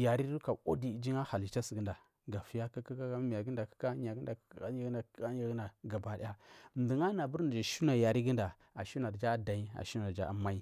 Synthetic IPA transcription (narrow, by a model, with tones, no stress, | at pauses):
ja˨ɾi˦ɾu˦ka˨o̰˦di˨d͡ʒi˦ŋa˦ha˨li˨t͡ʃa˦si˨ɡə˦nda˨ | ɡa˨fi˦ja˦ka˦ka˦ka˦a˦mi˨ja˨ɡə˦nda˨kḁ˦ka˦ɲa˨ɡə˦da˨˦a˦a˦ɡna˨˦a˦a˨ɡna˨ɡa˨ba˨di˦a˦m˨du˨ŋa˦na˨bu˦ɾn˨d͡ʒa˨ʃu˦na˨ja˨ɾi˦ɡə˦nda˨ | a˨ʃu˦na˨ɾd͡ʒa˦da˨i˦a̰˨ʃu˦na˨d͡ʒa̰˦a˨ma˦i˦